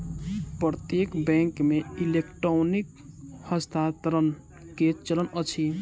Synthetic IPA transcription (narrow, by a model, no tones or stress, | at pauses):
pəɾt̪jekbɛ̃ŋkmeilekʈɾonik | həst̪ʰat̪ɾən | ket͡ʃələnət͡ʃʰi